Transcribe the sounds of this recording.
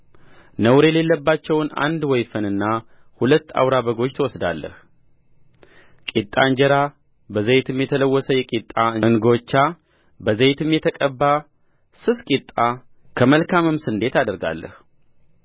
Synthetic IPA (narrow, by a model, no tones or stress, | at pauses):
nəwɾele̞lːəbːat͡ʃːɛwna̰nd̪wɔjfənɨnːa | hulət̪ːa̰wɾabəɡo̞t͡ʃːt̪ʰəwɔsd̪a̰lːə̰h | kʼit̪ʼːa̰ɨɲd͡ʒɛɾa | bəzejt̪ʰɨmjɛt̪ʰələwːɔsəjɛkʼit̪ʼːaɨnɡo̞t͡ʃːa | bəzejt̪ʰɨmjɛt̪ʰəkʼəbːa | sɨskʼit̪ʼːa | kʰəməlkʰamɨmsɨnd̪e̞t̪ad̪əɾɡa̰lːə̰h